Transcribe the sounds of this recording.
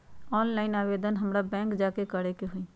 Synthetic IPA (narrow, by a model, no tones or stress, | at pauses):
ɔːnlaːɪnaːʋeːd̪ənɦəmɾabɛ̃ːŋkd͡ʒaːkekəɽekeɦʊĩː